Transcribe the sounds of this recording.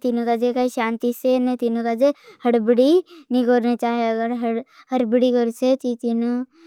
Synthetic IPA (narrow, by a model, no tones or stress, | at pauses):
t̪iːnokad͡ʒekaiʃãːnt̪isenet̪inõkad͡ʒehəɽbɪɽinĩɡoːɾnet͡ʃaːɦeɐɡəɾɦəɽ | həɾbɽikəɾset̪it̪iːno